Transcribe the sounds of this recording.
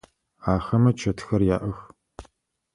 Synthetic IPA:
aːxɐmɐt͡ʃʰɐtʰxɐrjaːʔɐx

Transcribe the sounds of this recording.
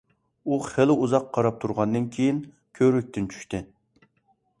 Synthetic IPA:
uχɪlɪuzɑqʰːɑɾɑp̚t̪ʰuɾʁɑnd̪ɨnkʲʰejin | kʲʰøɾyk̚ʲt̪ɪnt͡ʃʰy̥ʃt̪ɪ

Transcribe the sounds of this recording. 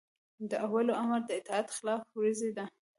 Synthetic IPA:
d̪əʔawaloamaɾd̪əɪt̪ɑat̪xɪlɑfwezed̪a

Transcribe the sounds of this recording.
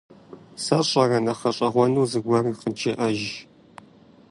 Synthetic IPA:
sɐɕʼɐrɐnɐχɐɕʼɐʁʷɔnuːzɨɡʷɐrɨqənt͡ʃʰeʔɐʒ

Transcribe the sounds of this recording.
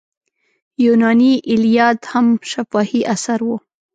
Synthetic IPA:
junɑniʔɪlijɑt̪hamʃafɑhiʔasaɾwu

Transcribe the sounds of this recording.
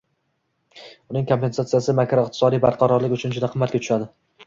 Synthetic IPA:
ʊnɪŋkʰo̞mpe̞nsat̪sijasɪmakɾɒɪq̚t̪ʰɪsɒd̪ijbaɾqʰɑɾɒɾlɪkʲʊt͡ʃʰʊnd͡ʒʊd̪aqʰɨmːat̪kʲat̪ʊ̥ʃad̪ɪ

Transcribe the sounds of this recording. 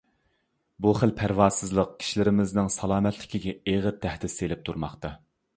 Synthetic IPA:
buχəlpʰæɾwɑːsɨzlˠəq̚kʲʰi̥ʃilɪɾɪmɪznɪŋsɑlˠɑːmɛt̪ʰlɪ̥kʲiɡʲɛeʁəɾ̚t̪ʰːæhd̪ɪselɪp̚t̪ʰuɾmɑχt̪ɑ

